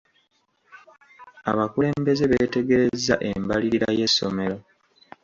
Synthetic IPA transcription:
a̰βakule̞ːmbe̞ze̞βe̞ːte̞ɡe̞ɾezːaʔembaliiɾaje̞sːo̞̰me̞ɾo̞

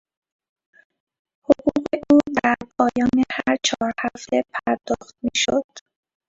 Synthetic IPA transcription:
hoɣuɣeʔuːd̪æɾpʰɒːjɒːnehæɾt͡ʃʰɒːɾhæft̪ʰepʰæɾd̪ɒːxt̪̚miːʃod̪̥

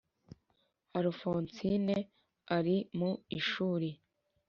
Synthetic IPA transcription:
aɾufoːnsine | aɾimuiʃuːɾe

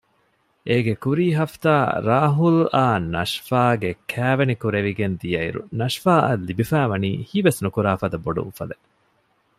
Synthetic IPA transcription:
ʔeɡekuɾiːɦɐft̪aːɾa̰ːɦula̰ːnɐ̰ʃfaːɡekʰæːʋenikuɾeʋiɡend̪ijɐḭɾṵnɐʂfaːʔɐ̰lːibifæːʋɐniːhiːʋesnukuɾaːfɐd̪ɐboɖṵṵfɐ̰le

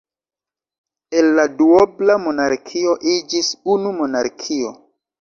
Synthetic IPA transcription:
elːaduoblamo̞naɾkʰio̞ʔid͡ʒisunumo̞naɾkʰio̞

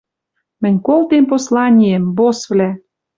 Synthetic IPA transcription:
mɘ̆nʲkolˠt̪emposlɑnʲijĕmbosβlæ

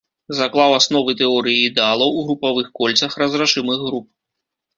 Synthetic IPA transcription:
zaklˠawasnɔvɨt̪ɛɔɾɨjiːd̪ɛalˠɐwuɣɾupavɨxkɔlʲt̪sɐxrɐzɾaʂɨmɨɣɣɾup̚

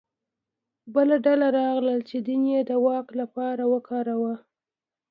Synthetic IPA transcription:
bəlaɖalaɾɑɣləlt͡ʃed̪injed̪əwɑklapɑɾawəkɑɾawa

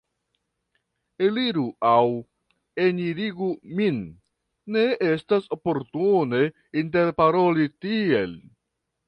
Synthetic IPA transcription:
eliɾuʔaw | eniɾiɡuminː | e̞e̞staso̞po̞ɾtune̞ | inte̞ɾpaɾo̞litie̞l

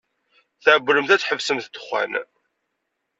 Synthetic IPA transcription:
θʕbːɾəmθæt͡sħəvsəmθt̪ːə̥χːæ̰n

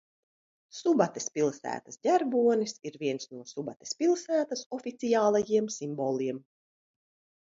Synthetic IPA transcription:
subat̪espʲilˠsæ̰ːt̪ɐsd̪ʲæɾbuɔnisiɾvʲiɛnsnuɔsubat̪e̥spʲilˠsæːt̪asɔfʲit̪sijaːlˠajiɛmsimbɔlˠiɛm

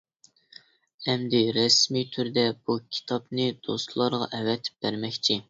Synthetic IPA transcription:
ɛmd̪ɪɾɛsmit̪ʰyɾd̪ɛb̥ukʲʰi̥t̪ʰɑpnɨd̪̥ost̪lˠɑɾʁɑ̰ʔɛwɛt̪ʰɪ̥p̚b̥æɾmɛkʲt͡ʃʰi

